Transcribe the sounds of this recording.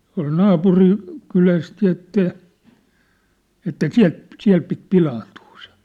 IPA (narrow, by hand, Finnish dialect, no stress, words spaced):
tuɑ̝l nɑːpuri kylæst jɑ̆ etːæ etːæ siæ̝lt siæ̝l pit pilɑːntuː se